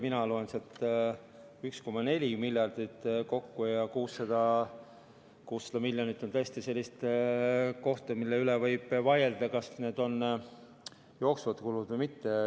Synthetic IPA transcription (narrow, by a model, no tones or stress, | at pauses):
minɑlo̞enset̪ː | yksko̞mːɑne̞lʲimilʲjɑrd̪̥it̪ːˑko̞kːujɑkuːsːɑd̪̥ɑ | kuːsːɑd̪̥ɑmilʲjonit̪ːˑo̞nt̪ɤest̪ise̞lʲːist̪ | ko̞ht̪ɑmilːeylevɤjb̥vɑjeld̪̥ɑkɑsne̞ːd̪o̞n | jo̞ːksvɑt̪kulud̪̥vəjmit̪ːe